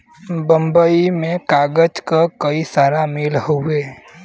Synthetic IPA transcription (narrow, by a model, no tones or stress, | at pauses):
bə̃mbəimẽkaːɡəd͡ʒkakəisaːɾameːlɦoeː